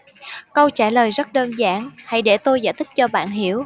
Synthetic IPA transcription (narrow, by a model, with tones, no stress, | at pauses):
kə˧wt͡ɕaː˧˩ləː˨˩jzə˦˥t̚ɗəː˧nzaː˧˥˦nha˧˩jɗe˧˩t̪o˧jza̰ː˧˦jt̪ʰï˦˥k̚t͡ɕɔ˧ɓa̰ː˧˨nɦi˧˩˦əw